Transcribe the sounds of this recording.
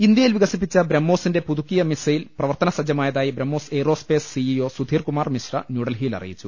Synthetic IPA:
ind̪jɐjilʋiɣɐsip̬ːit͡ɕːɐbɾɐmːo̞ːsinde̞puðukːijɐmisɐjilprɐʋɐrt̪ɐnɐsɐd͡ʑjɐmaːjɐðaːjibɾɐmːo̞ːseːro̞ːspe̞ːsːiio̞ːsud̪ʱiːrkumaːrmisrɐ̰njuːɽɐlɦiːlɐ̰rḭjit͡ɕːu

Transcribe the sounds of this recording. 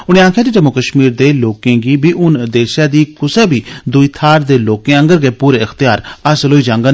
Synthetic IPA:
ʊñẽːãːkʰjãd̪iːd͡ʒəmokəʃmiːɾd̪eːloːkẽːɡiːbiːʔʊnd̪eːʃjaːd̪iːkʊseːbiːd̪ʊiːt̪ʰaːɾd̪eːloːkẽə̃ŋɡəɾɡeːpuːɾeːəxt̪ɪjaːɾəsəlɦoːiːd͡ʒãːŋɡan

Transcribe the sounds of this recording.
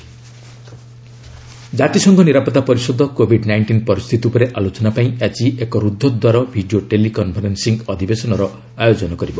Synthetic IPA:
d͡ʒat̪isɔŋɡʰɔniɾapɔt̪ːapɔɾisɔd̪ʱɔkobʱiɖnajɳʈinpɔɾist̪ʰit̪iupɔɾeʔalot͡ʃɔnapaĩat͡ʃiʔekɔɾud̪ʱːɔd̪waɾɔbʱiɖioʈelikɔnpʰɔɾensiŋɡɔd̪ʱibesɔnɔɾɔ | ajod͡ʒɔnɔkɔɾibɔ

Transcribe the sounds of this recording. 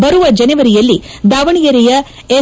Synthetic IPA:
bɐɾuʋɐd͡ʒɐnɐʋɐɾijɐlːid̪aːʋɐɳijɐɾijɐ | e

